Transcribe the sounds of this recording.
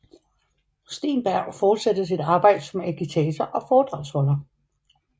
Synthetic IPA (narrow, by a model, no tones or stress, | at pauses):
sd̥e̝̰ːnb̥æɐ̰ʊfɒːd̥sed̥əs̬id̥ɑ̈ːb̥ɑ̈ɪ̰d̥əsɒ̽mækʰit͡sʰeːt͡sʰɐʔɒ̽fɒːd̥ʁɑ̈ʊshɔ̽lɐ